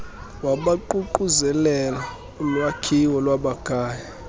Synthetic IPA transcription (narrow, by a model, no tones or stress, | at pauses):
waɓaǃuǃuzɛlɛla | ulwakʰiwɔlwaɓaɡ̥ʱaːja